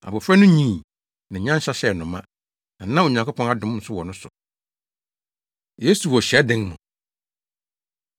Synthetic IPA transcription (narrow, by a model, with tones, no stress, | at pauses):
a˨bʊ˨fɾɛ˦nʊ̃˦ɲĩ˦˨ | nã˨ɲã˦ɕa˦ɕɛ˨nʊ̃˨mã˦ | nã˨nã˦o˨ɲã˨ŋko˦pʰɔ̃˦na˨dʊ̃˦m˦n̩˨˦sʊ˦wɔ˨nʊ̃˦sʊ˨ | je˦su˨wɔ˨ɕɛ˦dɪ̃˦ŋmʊ̃˨